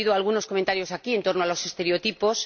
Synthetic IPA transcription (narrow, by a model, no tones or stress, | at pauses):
iðoalɣ̞uno̞skoment̪aɾjo̞sakie̞nt̪o̞ɾnoalo̞sest̪e̞ɾeo̞t̪ipo̞s